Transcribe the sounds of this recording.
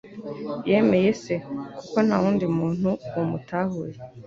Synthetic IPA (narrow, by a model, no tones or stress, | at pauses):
jeme̞jesekuko̞n̥auːndimuːn̥huwomutahuɾe